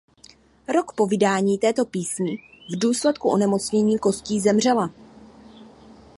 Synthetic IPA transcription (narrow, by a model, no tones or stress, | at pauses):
ɾo̞kpo̞vɪdaːɲiːt̪ɛːt̪o̞piːsɲivduːslɛt̪kuʔo̞nɛmo̞t͡sɲɛɲiːko̞sciːzɛmr̝ɛla